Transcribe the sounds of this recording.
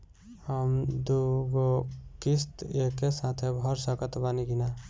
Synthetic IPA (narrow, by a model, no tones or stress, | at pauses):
həmd̪uɡokist̪ekesãt̪ʰebʱəɾsəkət̪baniɡina